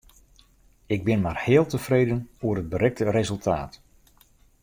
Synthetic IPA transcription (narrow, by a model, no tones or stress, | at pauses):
ɪɡ̚bɪnmaːrhɪːlˠtəfrejdənvoːərɦəd̚bəɾɛk̚tərezɵlˠtʰa̰ːt